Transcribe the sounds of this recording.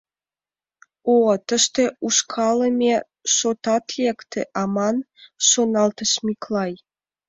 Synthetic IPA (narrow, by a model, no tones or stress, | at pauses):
ot̪ə̆ʃt̪ĕuʃkʰɑlə̆mʲe | ʃot̪ɑt̪lʲekt̪ḛʔɑmɑn | ʃonɑlt̪ə̆ʃmiklˠɑj